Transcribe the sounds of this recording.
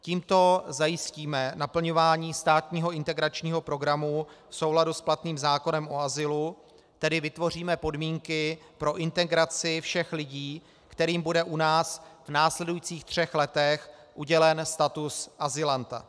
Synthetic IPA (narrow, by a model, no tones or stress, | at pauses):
ciːmt̪o̞zajɪsciːmɛnapl̩ɲo̞vaːɲiːst̪aːt̪ɲiːɦo̞ɪnt̪ɛɡɾat͡ʃɲiːɦo̞pɾo̞ɡɾamufso̞wladusplat̪niːmzaːko̞nɛmʔo̞azɪlu | t̪ɛdɪvɪt̪vo̞r̝iːmɛpo̞dmiːŋkɪpɾo̞ʔɪnt̪ɛɡɾat͡sɪfʃɛxlɪɟiː | kt̪ɛɾiːmbudɛʔunaːsvnaːslɛdujiːt͡siːxt̪r̝̥ɛxlɛt̪ɛxʔuɟɛlɛnst̪at̪usʔazɪlant̪a̰